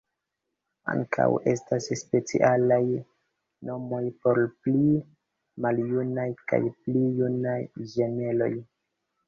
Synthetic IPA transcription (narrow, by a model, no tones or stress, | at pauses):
a̰ŋkʰa̰we̞stasspe̞t͡sḭʔalaj | no̞mo̞jpo̞ɾpli | maljunajka̰jplijunajʒe̞ne̞lo̞̰j